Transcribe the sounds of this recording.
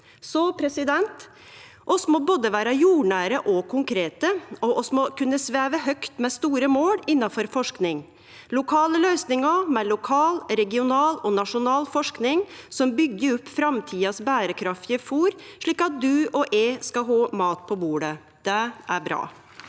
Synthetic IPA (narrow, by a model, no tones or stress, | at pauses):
sɔpʰɾɛsɪd̪ɛnt̪ | ʔɔsmɔboːd̪əʋæːɾɑjuːɳæːɾəʔɔkʰʊŋkʰɾeːt̪əɔʔɔsmɔkʰʉnːəsʋæːʋəɦœkt̪mɛst̪uːɾəmoːɽɪnːɑfɔɾfɔʂknɪŋ | lʊkʰɑːləlœʏsnɪŋɑmɛlʊkʰɑːlɾɛɡɪʊnɑːlɔnɑʂʊnɑːlfɔʂknɪŋsɔmbʏɡːəɾʊpːfɾɑmt̪ʰiːɑsbæːɾəkʰɾɑft̪jəfuːɾʂɭiːkɑt̪̚d̪ʉɔʔeskɑɦoːmɑːt̪pʰɔbuːɖə | d̪̥ɛʔæɾbɾɑ̰ː